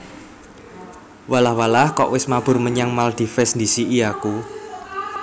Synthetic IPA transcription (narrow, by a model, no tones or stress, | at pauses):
walahwalahkɔ̰ʔwɪsmab̥ʊ̤rməɲaŋmald̪̥i̤fɛsnd̪isiʔiaku